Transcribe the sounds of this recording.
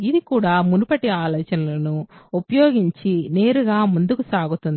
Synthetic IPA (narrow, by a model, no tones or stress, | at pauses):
id̪ikuːɽaːmunupɐʈiaːlɔːt͡ʃɐnɐlɐnuupɐjoːɡiɲt͡ʃine̞ːɾuɡaːmund̪ukusaːɡut̪und̪i